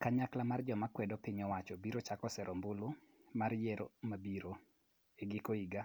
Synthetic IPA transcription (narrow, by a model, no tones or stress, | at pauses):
kaɲaklamard͡ʒɔmakwɛdɔpɪɲɔwat͡ʃɔbiɾot͡ʃakɔsɛɾɔmbʊlʊmaɾjeɾomabiɾo | eɡɪkoiɡa